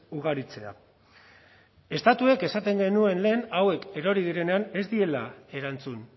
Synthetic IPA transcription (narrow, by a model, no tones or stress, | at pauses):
uɣ̞aɾit͡se̞a̰ | e̞st̪at̪ue̞ke̞sat̪e̞ŋɡe̞nue̞nle̞ːnawe̞ke̞ɾo̞ɾið̞iɾe̞ne̞ane̞zd̪ie̞lae̞ɾant͡sun